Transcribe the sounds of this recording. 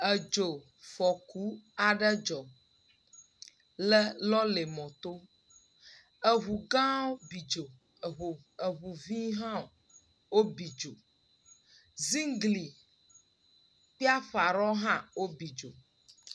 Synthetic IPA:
ə˨d͡ʒo˨ | fɔ˨ku˨˦a˨ɖə˦d͡ʒɔ˨ | lə˦lɔ˦le˨mɔ̃˨t̪o˦ | ə˨ɦu˨ɡã˦o˦bi˨d͡ʒo˨ | ɦo˨ | ə˨ɦu˨vĩ˦ɦã˦˨ | wo˦bi˨d͡ʒo˨ | zi˦ŋɡli˨ | k͡pi˦a˦ɸa˨ɾɔ˦ɦã˦wo˦bi˨d͡ʒo˨

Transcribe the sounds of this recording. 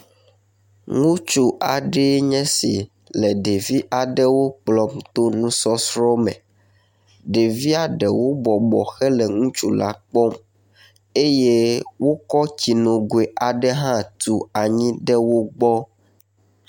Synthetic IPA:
ŋũ˦t͡ʃu˦a˨ɖɛ˦ɲɛ̃˦si˨ | lɛ˨ɖe˨vi˦ʔa˨ɖɛ˦wo˦k͡plɔ˨m˦t̪o˦nũ˦sɔ˦sɾɔ˦mɛ̰̃˨ | ɖe˨vi˦a˨ɖɛ˨wo˦bɔ˨bɔ˨xɛ˦lɛ˨ŋũ˦t͡ʃu˦la̰˦k͡pɔ˦m | e˦je˦wo˦kɔ˦t͡ɕi˨nõ˨ɡwe˨ʔa˨ɖɛ˦ɦã˦t̪u˨a˨ɲĩ˦ɖɛ˦wo˦ɡ͡bɔ˦

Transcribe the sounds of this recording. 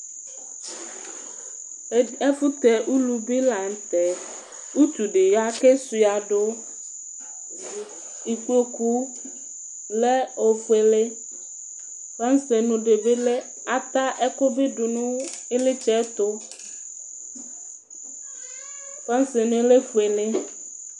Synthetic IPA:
ɛ˦fu˦t̪ɛ˨ʔu˦lu˨bi˦la˨ŋ̩˨t̪ɛ˨ | u˦t̪u˨ɖe˨ja˦ke˦su˨a˨ɖo˦ | i˨ku˦lo˦ku˦ | lɛ˦o˨fu˨˦e˨le˦ | ɸa˦n˦se˨nũ˨ɖe˨be˦le˦ | a˨t̪a˦ʔɛ˦ko˦be˦ɖu˨nũ˦ | e˦le˦t͡ʃɛ˦t̪o˦ | ɸa˦n˦se˨nũ˨e˦le˦fu˨e˨le˦

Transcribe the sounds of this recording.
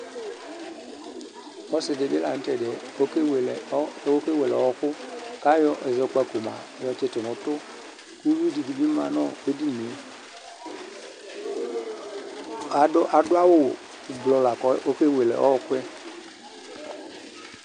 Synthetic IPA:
ɔ˦sɪ˨de˨be˦la˨n̩˦tɛ˨dɛ˨ | o˦kwe˨lɛ˨˦ke˦we˨lɛ˨ɔ˦ɔ˦˨kʊ˦ka˦jɔ˦ʔe˨ze˨˦k͡pa˧ku˨ma̰˨jɔ˧t͡ʃe˦te˨nɔ˨˦tʊ˦ | ku˦wi˦di˨di˨bi˦ma˨nɔ˦˨be˦di˦me˨˦ | a˨˦ʔa˨dʊ˦a˦wo˦˨ | blɔ˧la˨kɔ˨˦ʔo˦ke˦˨we˨lɛ̰˨ʔɔ̰˦ɔ˨kwɛ˦

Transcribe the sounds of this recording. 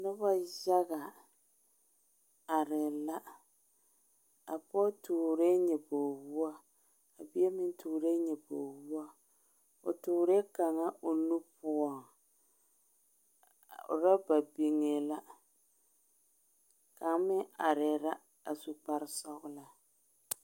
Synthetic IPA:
nʊ˦ba˦za˦ɣa˨ | a˨ɾɪ˨la˦ | a̰˨pɔ˦tu˨ɾe˦ɲɛ˨bo˨wu˦a˦ | a˨bi˦ɛ˦mɪ˦n˦tʰuː˨ɾe˦ɲɛ˨bo˨wu˦a˦ | o̰˨tʊː˨ɾe˦ka˨ŋa˦ʔo˨nu˦pʊ˦ɔ˨ŋ˨ | ɾa˦ba˨bi˨ŋe˨la˦ | ka˨ŋ˦mɪ˦a˨ɾɪ˨ɾa˦ | a˨su˨k͡pa˦ɾɪ˦sa˦ɣʊ˦la˦

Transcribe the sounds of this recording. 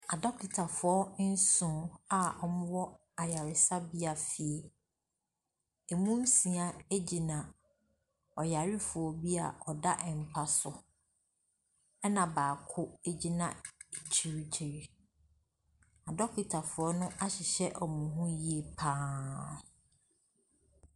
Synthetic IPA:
a˨dɔ˦ki˨tʰa˨fʊ˨ɔ˦n̩˦sʊ̃˨a˨ɔ˨mʊ̃˦wɔ˦ | a˨ja˨ɾɪ˨sa˦bi˦a˨fi˨e˨ | e˨mũ˦n̩˦sĩ˨a˨e˦d͡ʑi˨nã˨ | ɔ˨ja˨ɾɪ˦fʊ˨ɔ˨bi˦a̰˨ɔ˨da˦ʔɛ˨m̩˨pʰa˦sʊ˨ | ɛ˦nã˨baː˨kʰʊ˦e˦d͡ʑi˦nã˨e˨t͡ɕʰi˦ɾi˦t͡ɕʰi˨ɾi˦ | a˨dɔ˦kʰi˨tʰa˨fʊ˨ɔ˦nʊ̃˦ʔa˦ɕɪ˨ɕɛ˦ʔɔ˨mũ˨ɦũ˦ji˦e˨pʰãː˦

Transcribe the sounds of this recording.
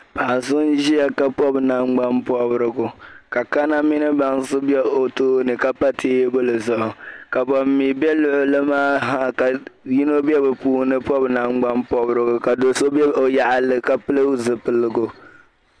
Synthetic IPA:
pa˨sʊ˦n˦ʒi˦a˦ka˦pɔ˦bna˨ŋ͡mɡ͡ba˦mpɔ˦bɾɨ˦ɡʊ˨ka˨ka˦na˦mɪ˦nɨ˦ba˨ŋsɨ˦bɛ˦o˦toː˦nɨ˨ka˦pa˦tʰeː˦jbo˦lɨ˨zʊ˨ʔʊ˨ka˨bɔ˨mːi˨bɛ˦lʊ˦ʔʊ˦lɨ˦maː˦ɦa˦˨ka˨ji˦no˦bɛ˦bɛ˨puː˦hnɨ˦pɔ˦bna˨ŋ͡mɡ͡ba˦mpɔ˦bɾɨ˦ɡʊ˨ka˨do˨so˦bɛ˦o˨ja˨ʔa˨lɨ˨ka˦pɨ˦lɨ˦zɨ˨pɨ˨lɨ˨ɡʊ˦

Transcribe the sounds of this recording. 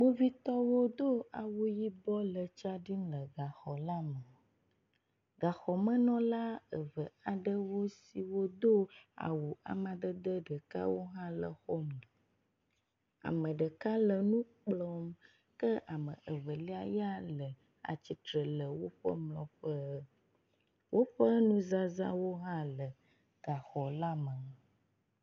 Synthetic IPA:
mo˦vi˦t̪ɔ˦wo˦d̪o˦a˨wu˦ji˦bɔ˦lə˨t͡ʃa˦ɖi˦mlə˨ɡa˨xɔ˨la˦mə˨ | ɡa˨xɔ˨mə̃˦nɔ̃˦la˦ə˨və˨a˨ɖə˦wo˦si˨wo˦d̪o˦a̰˨wu˨a̰˨mã˨d̪ə˦d̪ə˦ɖə˨ka̰˦wo˦ɦã˦lə̰˨xɔ˦mlɔ̃˨ | a̰˨mə̃˨ɖə˨ka˦lə˨nũ˦k͡plɔ˦m | kə˦ʔa˨mə̰̃˨ʔə˨və˨li˦a˨ja˦lə˨ | a̰˨t͡ɕi˨t̪ɾə˨lə˨wo˦ɸə̰˦mlɔ̃˨ɸə˦ | wʔo˦ɸə˦nũ˦za˦za̰˦wo˦ɦã˦lə˨ | ɡ̥a˨xɔ˨la˦mə˨

